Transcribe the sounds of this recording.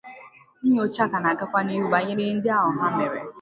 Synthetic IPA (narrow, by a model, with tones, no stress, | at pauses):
ni˦ɲ˦o˦t͡ʃa˦ka˨na˨ɡa˦kʷa˦ni˦ɦu˦ba˨ɲɪ˦ɾɪ˦n̩˦dɪ˦a˦ɦʊ˨ɦa˦me˨ɾḛ˨